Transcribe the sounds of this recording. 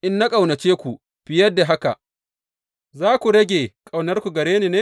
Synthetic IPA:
ʔɪ˦nːa˦kʼa˨wnɐ˨t͡ʃeː˦kʷu˨ | ɸɪ˦jɐ˦dːa˨ɦa˦ka̰˨ | zaː˦kʷu˨ɽɐ˦ɡʲeː˨kʼa˨wnɐ˦rkʷu˨ɡɐ˨ɽeː˦niː˨neː˦

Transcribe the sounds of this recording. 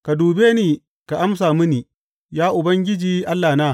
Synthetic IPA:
ka˨duː˨beː˦niː˨ | ka˨ʔa˦ms̬aː˨mi˦niː˨ | jaː˦ʔʊ˨bɐ˦ŋɡʲɪ˦d͡ʒiː˨ʔa˦lːaː˨naː˦

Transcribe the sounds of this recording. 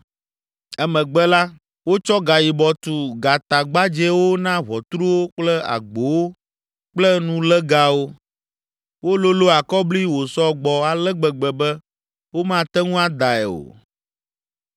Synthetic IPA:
ɛ˦mɛ̃˨ɡ͡bɛ˦la˦ | wo˦t͡ʃɔ˦ɡa˨ji˨bɔ˨t̪u˨ɡa˨t̪a˨ɡ͡ba˦d͡ʒɛ˦wo˦nã˦βɔ˨t̪ɾu˦wo˦k͡plɛ˦a̰˨ɡ͡bo˨wo˦ | k͡plɛ˦nũ˦lɛ˦ɡa˦wo˦ | wo˦lo˦lo˦a˨kɔ˦bli˦wo˨sɔ˦ɡ͡bɔ˨a˨lɛ˦ɡ͡bɛ˨ɡ͡bɛ˨bɛ˦ | wo˦mã˦˨t̪ɛ˦ŋũ˦a˦d̪a˨ɛ̰˨o̰˨

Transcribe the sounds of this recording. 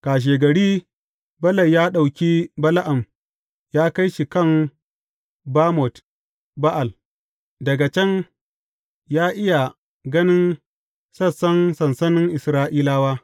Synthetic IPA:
kaː˨ʃ̬eː˨ɡɐ˨ɽiː˦ | bɐ˦lɐ˨jaː˦ɗa˨wkʲiː˦bɐ˦la˦ʔa˨m | jaː˦ka˦jʃi˨kɐ˦˨m | baː˦mɔ˨t | ba˦ʔa˨l | dɐ˨ɡa˨t͡ʃɐ˦ŋ | jaː˦ʔɪ˦ja˨ | ɡɐ˦nɪ˦n | sɐ˦˨sɐ˦nsɐ˨nsɐ˦nɪ˦ŋʔɪ˨sɾaː˦ʔiː˦laː˦waː˦

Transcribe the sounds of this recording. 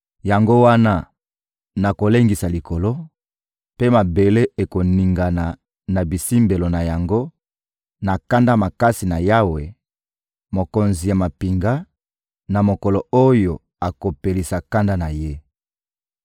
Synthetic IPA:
ja˨ŋɡo˦wa˦na˦ | na˨ko˨le˦ŋɡi˨sa˨li˨ko˨lo˦ | pe˦ma˨be˨le˦e˨ko˨ni˨ŋɡa˨na˨ | na˨bi˨si˦mbe˨lo˨na˨ja˨ŋɡo˦ | na˨ka˦nda˦ma˨ka˦si˨na˨ja˦we˨ | mo˨ko˨nzi˨ja˨ma˨pi˨ŋɡa˦ | na˨mo˨ko˨lo˨o˦jo˨ | a˨ko˨pe˨li˨sa˨ka˦nda˦na˨je˦

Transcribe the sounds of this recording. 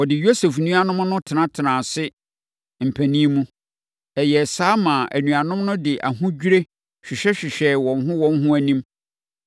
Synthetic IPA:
ɔ˨dɪ˨jo˦se˨fnũ˦a˦nʊ̃˦m˦nʊ̃˦tʰɪ˨nã˦tʰɪ˨nãː˨sɪ˦ | m̩˨pʰæ˨nĩ˦e˦mũ˦ | ɛ˨jɛ˨saː˦mãː˨ʔæ̰˨nũ˨a˨nʊ̃˦mnʊ̃˦dɪ˨ʔa˨ɦʊ̃˦d͡ʑᶣɾe˦ | ɕᶣɪ˨ɕᶣɛ˦ɕᶣɪ˨ɕᶣɛ˨wɔ̃˨nɦʊ̃˦wɔ̃˦n˦ɦʊ̃˦æ˦nĩ˦m

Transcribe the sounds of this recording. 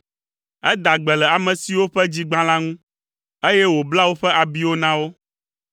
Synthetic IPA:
ɛ˦d̪a˨ɡ͡bɛ˨lɛ˨a˨mɛ̃˨si˨wo˦ɸɛ˦d͡ʑi˦ɡ͡bã˦lã˦ŋũ˦ | e˦jɛ˦wo˨bla˦wo˦ɸɛ˦ʔa˨bi˦wo˦nã˦wo˦

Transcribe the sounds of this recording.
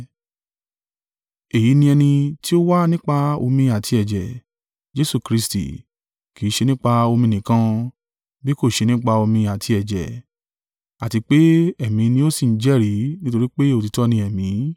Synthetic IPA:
e˨ji˨˦nĩ˧ɛ˧nĩ˧ti˦o˦wa˦nĩ˦k͡pa˧o̰˧mĩ˧a˨tʰi˧ɛ˨d͡ʒɛ˨ | d͡ʒe˦su˦˨kɾi˦stḭ˨ | ki˨˦ʃe˧nĩ˦k͡pa˧o˧mĩ˧nĩ˨kã˦ | bi˦ko˦˨ʃe˧nĩ˦k͡pa˧o˧mĩ˧a˨tʰi˧ɛ˨d͡ʒɛ̰˨ | a˨ti˧k͡pe˦ɛ˦˨mĩ˨˦nĩ˧˦o˦si˦˨n̩˦d͡ʒɛ˦˨ɾi˨˦nĩ˦to˧ɾi˦k͡pe˦o˦˨ti˨˧tɔ˦nĩ˧ɛ˨mĩ˨˦

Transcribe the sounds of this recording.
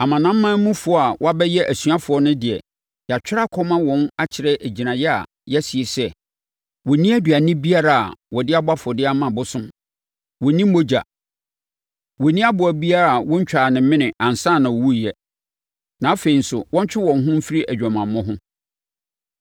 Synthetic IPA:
a˨mã˨nã˦m̩ː˦ã˦mũ˦fʊ˨ɔ˦a˨wɔ˦a˦bɛ˦jɛ˦ʔæ˨sɥa˦fʊ˨ɔ˦nʊ̃˦dɪ˨ɛ̰˨ | ja˨t͡ɕᶣɪ˦ɾa˦kʰɔ˦mã˦wɔ̃˨na˦t͡ɕʰɪ˨ɾɛ˦ʔæ˨d͡ʑi˨nã˨jɛ˦a̰˨ | jɛ˦si˨e˨sɛ˦ | wɔ˨nĩ˦æ˦dɥa˨nɪ̃˦bi˦a˦ɾa˦˨a̰˨wɔ˨dɪ˦a˦bʊ˦a˦fʊ˨ɔ˨dɪ˦a˦mã˨bʊ˦sʊ̃˦m | wɔ˨nĩ˦m˦mo˦d͡ʑa̰˨ | wɔ˨nĩ˦a˦bʊ˨æ˨bi˦a˦ɾa˦˨a˨wɔ̃˦ɲ˦t͡ɕᶣaː˨nɪ̃˨˦mɪ̃˦nɪ̃˨ʔã˨n˨sã˦˨nã˨wɔ˨wu˦˨jɛ˦ | nã˨a˦fe˨i˨n̩˦sʊ˨wɔ̃˦ɲ˦t͡ɕᶣɪ˦wɔ̃˨n˦ɦʊ̃˦m̩˦fi˦ɾi˦ʔæ˨d͡ʑᶣa˨mã˨mː˦ʊ̃˦ɦʊ̃˦

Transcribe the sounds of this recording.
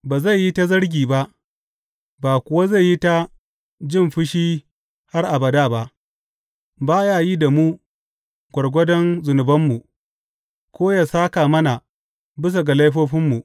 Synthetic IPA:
baː˨za˦˨jːi˦ta˦zɐ˦ɽɡʲiː˨ba˦ʔ | baː˨kʷʊ˨wa˦za˦˨jːi˦ta˦ | d͡ʒɪ˦˨mɸɪ˦ʃiː˦ | ha˦rʔa˨bɐ˨daː˦˨ba˦ʔ | baː˦jaː˦ji˦da˨mu˦ | ɡʷɔ˨ɽɡʷɐ˦dɔ˦nzʊ˨nʊ˨bɐ˦mːu˨ | kʷoː˦jaː˨saː˦kaː˨mɐ˦na˨ | bɪ˦s̬a˨ɡa˨la˦jɸoː˦ɸɪ˦mːu˨

